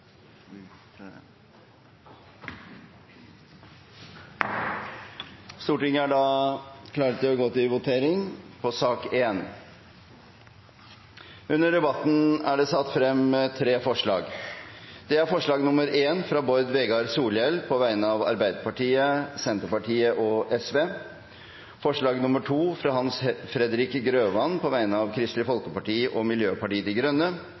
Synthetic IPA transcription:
st̪uːʈɪŋːəæɖɑːkʰlɑːɾət̪̚d̪ɛɔɡoːt̪ɪlʋʊt̪ʰeːɾɪŋpʰɔsɑːkeːn | ʉnːəɖɛbɑt̪n̩æɖɛsɑt̪ːfɾɛmt̪ʰɾeːfɔʂɭɑ̰ːɡ | d̪̥ɛæɾfɔʂɭɑːɡnʊməɾeːnfɾɑːbɔɾd̪ʋɛɡɑɾsuːlɛlpʰɔʋæɪnəɑʋɑ̰ɾbæɪd̪əpɑʈʰiːəsɛnt̪əɾpɑʈʰiːəʔɔʔɛsʋeː | fɔʂɭɑːɡnʊməʈʰuːfɾɑɦɑnsfɾɛd̪ɾɪkɡɾøːʋɑnpʰɔʋæɪnəɑʋkʰɾɪst̪lɪfɔlkəpɑʈiːʔɔmɪljøːpɑʈiːəd̪ɪɡɾʉnːə

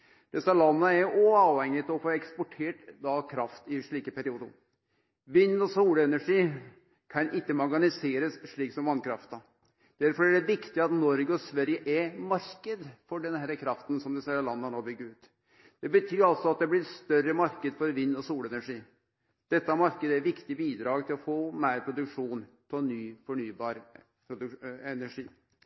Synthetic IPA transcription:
d̪̥ɛsɑlɑnːəæɾɔɑːʋhɛŋːɪt̪ʰɪɔfoːɛkspɔʈʰeːʈd̪ɑkʰɾɑft̪ɪʂɭiːkəpʰæɾɪuːd̪əɾ | ʋɪnːɔsuːlɛnæʂiː | kʰɑnʔɪkːəmɑɾɡɑnɪseːɾəsʂɭiːksɔmʋɑnːkʰɾɑ̰ft̪ə | d̪̥æɾfɔɾæɖɛʋɪkt̪ɪɑt̪nɔɾɡəɔsʋæɾjəʔɛmɑɾkəd̪fɔɖɛnhæːɾəkʰɾɑft̪ən̩sɔmd̪ɛseːɾɑlɑnːəɑnoːbʏɡːəʉːt̪ | d̪̥ɛbət̪ʰyːɾɑlt̪sɔɑt̪̚d̪ɛblɪɾst̪œɾːəmɑɾkəd̪fɔɾʋinːɔsuːlɛnæʂiː | d̪̥ɛt̪ːɑmɑɾkəd̪əæɾʋɪkt̪ɪbiːd̪ɾɑːɡt̪ʰɪlɔfoːmæɪɾpʰɾʊd̪ʉkʂuːnt̪ʰɔnyːfɔɳyːbɑːɾ | pʰɾʊd̪ʉɛnæʂiː

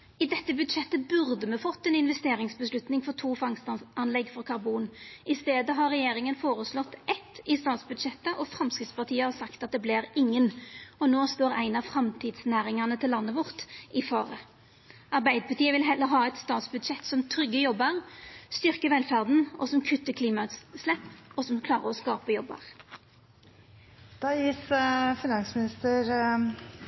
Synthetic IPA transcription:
ɪd̪ɛt̪ːəbʉd̪ʂɛt̪ːəbʉʁd̪əmɛfɔt̪ːɛnɪnʋɛst̪eːɾɪŋsbəslʉt̪nɪŋfɔʁt̪ʰuːfɑŋst̪ɑɑnlɛɡfɔɾkʰɑɾbuːnɪst̪eːd̪əɦɑɾːɛjeːɾɪŋənfoːɾəslɔt̪ːʔɛt̪ɪst̪ɑːt̪sbʉd̪ʂɛt̪ːəʔɔfɾɑmskɪt̪spɑʁt̪ʰiːəhɑsɑkt̪ɑt̪̚d̪ɛblɪɾɪŋːənɔnoːst̪oːɾæɪnɑfɾɑmt̪ʰiːd̪snæːɾɪŋɑnət̪ʰɪlːɑnːəʋʊʁt̪ɪfɑ̰ːʁə | ɑʁbæɪd̪əpʰɑt̪iːəʋɪlɦɛlːəɾɦɑːɛt̪st̪ɑːt̪sbʉd̪ʃɛt̪ːsɔmt̪ʰʁʏɡːəjɔbːəʁst̪ʏʁkəʋɛlfæʁd̪n̩ɔsɔmkʰʉt̪ːəkʰliːmɑʉt̪slɛpːɔsɔmkʰlɑːʁə̰ɔskɑːpəjɔbːə̰ʁ | d̪̥ɑːjiːsfɪnɑnsmɪnɪst̪əɾ

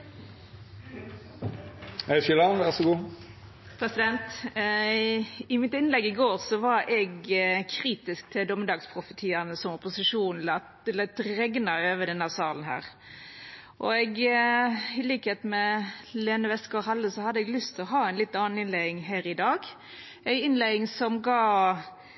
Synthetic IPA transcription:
ɛʃɪlɑnʋæʁʂʊɡuː | pʰɾɛsɪd̪ɛnt̪ | ɪmɪt̪ɪnlɛɡːɪɡoːʁsɔʋɑɾɛɡkʰʁiːt̪ɪsk̚t̪ʰɪld̪ɔməd̪ɑːɡspʰʁʊfət̪ʰiːɑnəsɔmɔpʊsɪʂuːnn̩lɑ | lɑt̪ɾɛɡnɑøːʋəd̪ɛnːæsɑːlən̩ɦæ̰ːɾ | ʔɔɛɡ | ɪliːkəhet̪mɛleːnəʋɛskɔhɑlːəsɔhɑd̪ːəɛɡlʏst̪ʰɔɦɑːæɪnlɪt̪ːɑːn̩ɪnlæɪɪŋɦæːɾɪd̪ɑːɡ | æɪɪnlæɪɪŋsɔmɡɑː

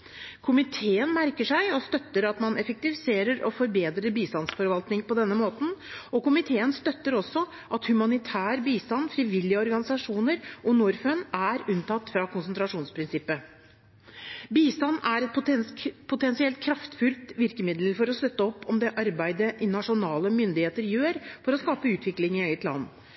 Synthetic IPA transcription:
kʰʊmɪt̪ʰeːənmæɾkəʂæɪɔst̪œt̪ːəɾɑt̪mɑnɛfək̚t̪ɪʋɪseːɾəɾɔfɔɾbeːd̪ɾəbiːst̪ɑnsfɔɾʋɑlt̪nɪŋpɔd̪ɛnːəmoːt̪n̩ɔkʊmɪt̪ʰeːənst̪œt̪ːəɾɔsːɔ | ʔɑt̪hʉmɑnɪt̪ʰæːɾbiːst̪ɑnːfɾiʋɪlːɪəɔɾɡɑnɪsɑʂuːnəɾʔɔnuɾfœnæɾʉnt̪ʰɑt̪ːfɾɑkʊnsnt̪ɾɑʂuːnspʰɾɪnsɪpːə | biːst̪ɑnːæɾɛt̪pʰʊt̪ɛnsɪɛlt̪̚kʰɾɑft̪fʉlt̪ʋɪɾkəmɪd̪lfɔɾɔst̪œt̪ːəɔpːɔmd̪ɛʔɑɾbæɪd̪əʔɪnɑʂʊnɑːləmʏnd̪ɪheːt̪əɾjøːɾfɔɾɔskɑːpəʉːt̪ʰʋɪklɪŋɪœʏət̪lɑ̰nː

